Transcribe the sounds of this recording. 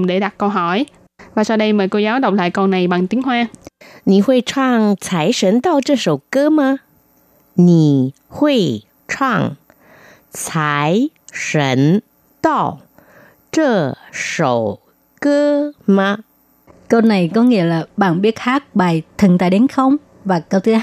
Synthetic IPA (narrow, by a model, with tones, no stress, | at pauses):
ɗe˧˩ɗa˨˩t̚kə˧wɦɔ˧˩j | vaː˨˩saː˧wɗə˧jməː˨˩jko˧zaː˨˦wɗə˨˩wk͡p̚la̰ː˧˨jkɔ˧na˨˩jɓa˨˩ŋt̪i˨˦ŋɦwaː˧ni˨˩hwe˧t͡ɕʰwaː˧ŋt͡sʰaː˧˩jʂə˧˥nt̪ɔ˧˩wt͡ɕə˧so˧˩wkəː˧˦ma˧˥ | ni˨˩ | hwe˧ | t͡ɕʰwa˧ŋ | t͡sʰa˧˦jʂə˧˦n | t̪ɔ˥˩w | ʈ͡ʂə˧˩ʂo̰˧˩w | kə˦ma˧ | kə˧na˨˩jkɔ˨˦ŋḭ˧˥əlaː˨˩ɓaː˨˩ŋɓi˦˥ət̚haː˦˥k̚ɓaː˨˩jt̪ʰɨ˨˩ŋt̪aː˧˨ɗe˨˦nxə˧wŋ͡m | vaː˨˩kəː˧t̪ʰɨ˨˦